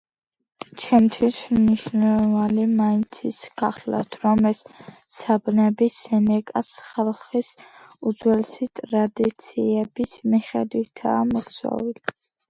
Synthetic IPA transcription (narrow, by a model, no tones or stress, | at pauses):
t͡ʃʰɛmt̪ʰwismniʃnɛlˠɔvanimaint̪sʰisɡ̥aχla̰t̪ʰɾɔmɛs | sʰabnɛbisɛnɛkʼasχɛlˠχis | ud̪zwɛlsit̪ʼɾad̪it̪sʰiɛbismiχɛ̰d̪wit̪ʰa̰ːmɔksʰɔ̰vili